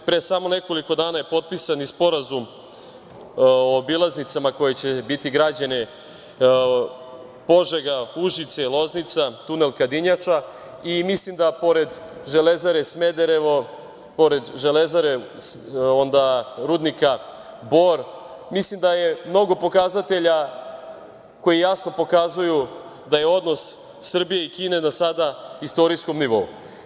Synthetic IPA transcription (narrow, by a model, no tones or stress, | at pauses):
pɾesamo̞ne̞ko̞liko̞d̪aːnaje̞po̞t̪̚pisanispo̞ɾazum | oːbilˠaznit̪samako̞jet͡ɕe̞bit̪iɡɾad͡ʑane | po̞ʒeɡauʒit̪seilˠo̞znit̪sat̪une̞lkad̪iɲat͡ʂa | imislimd̪apoɾe̞d̪ | ʒe̞lezaɾe̞smed̪eɾeʋo | poɾed̪ʒe̞lezaɾe | o̞nd̪aɾuːd̪nika | bo̞ɾ | mislimd̪aje̞mno̞ɡo̞po̞kazat̪e̞ʎa | ko̞jijasno̞po̞kazuju | d̪aje̞o̞d̪no̞sː | r̩bije̞ikiːne̞nasad̪aist̪o̞ɾisko̞mniʋo̞ṵ